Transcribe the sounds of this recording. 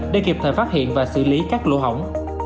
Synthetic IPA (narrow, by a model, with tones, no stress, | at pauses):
ɗḛ˧˩ki˨˩p̚t̪ʰəː˨˩faː˦˥t̚hḭ˧˨ənvaː˨˩sɨ̰˧˩li˨˦kaː˦˥k̚lo̰˧˥ɦə˧˩wŋ͡m